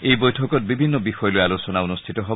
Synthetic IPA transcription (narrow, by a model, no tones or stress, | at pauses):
ejbojtʰɔkɔt̚bibʱinːɔbixɔjɔloalosɔnaunostʰitɔɦɔ